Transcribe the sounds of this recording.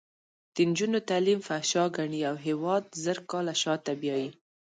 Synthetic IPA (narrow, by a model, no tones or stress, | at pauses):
d̪̥ənd͡ʒunot̪alimfaʃɑɡaɳiawɦewɑd̪zəɾkɑlaʃɑt̪abjɑji